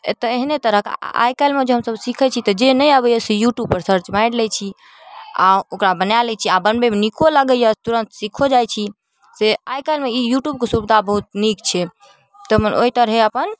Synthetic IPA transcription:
t̪əeɦinet̪əɾəɦka̰jkajlmed͡ʒeɦə̃msəbsikʰɛt͡ʃʰit̪ɔd͡ʒenəjəbɛjəsejuʈjub̚pəɾsəɾt͡ʃmajɽlɛt͡ʃʰi | aokɾabənjalɛt͡ʃʰiabənbemenikoləɡəjət̪uɾə̃nt̪sikʰod͡ʒajt͡ʃʰi | seajkajlmeijuʈjub̚kesubd̪ʱabəɦut̪̚nikt͡ʃʰɛ | t̪əmənʔoit̪əɾɦeəpən

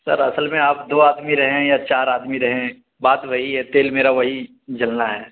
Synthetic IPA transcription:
sɐ̰ɾɐsəlmẽaːpd̪oːaːd̪miɾɐɦẽjat͡ʃaːɾaːd̪miɾɐɦẽ | baːt̪ʋɐɦiɦɛt̪eːlmeːɾaʋɐɦi | d͡ʒɐlnaɦɛː

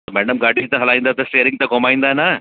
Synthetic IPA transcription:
mɛːɽəmɡaːʈit̪ɐɦɐlaːĩnd̪at̪ɐsʈeːɾiŋt̪ɐkomaːĩnd̪ana

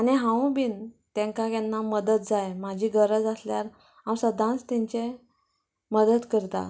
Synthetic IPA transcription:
aniɦãw̃biːnt̪ɛ̃ŋkakjanːaməd̪ət̪̚d͡zajmad͡ʑʱiːɡəɾəd͡zasljaɾ | ɦãwsəd̪ʱãnt͡st̪ɛɲt͡ɕe | məd̪ət̪kəɾt̪a̰

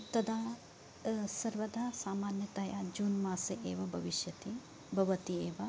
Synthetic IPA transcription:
t̪ɐd̪ʱaː | sɐɾʋɐd̪aːsaːmaːnjɐt̪ɐjad͡ʒuːnmaːsɐʔeːʋɐbʱɐʋiʃjɐt̪i | bʱɐʋɐt̪ieːʋɐ

